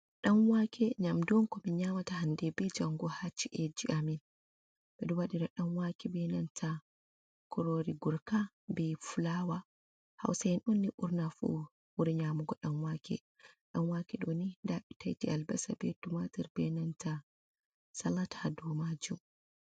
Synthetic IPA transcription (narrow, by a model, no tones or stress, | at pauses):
ɗamwakʰɛɲamdɔnkɔmiɲamatahandɛbɛd͡ʒaŋɡɔhat͡ʃːiʔed͡ʒiʔamin | bɛduwaɗiɾaɗamwakʰɛbɛnantʰa | kʰɔɾoɾiɡuɾka | bɛfulawa | ha̰wsajɛnʔunːiʔuɾnafṵ | wuɾiɲamuɡɔɗamwakʰɛ̰ | ɗanwaːkɛɗonidaɓita̰jtialbɛsabɛtumatɛɾbɛnanta | salatadɔmad͡ʒum